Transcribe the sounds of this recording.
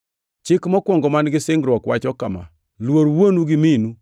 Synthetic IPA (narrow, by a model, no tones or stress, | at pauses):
t͡ʃɪkmɔkwɔŋɡɔmanɡɪsɪŋɡɾwɔkwat͡ʃɔkama̰ | lwoɾwonuɡɪminu